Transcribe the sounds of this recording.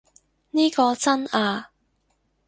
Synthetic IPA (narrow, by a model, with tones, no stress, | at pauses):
niː˥kɔː˧t͡sɐ˥naː˧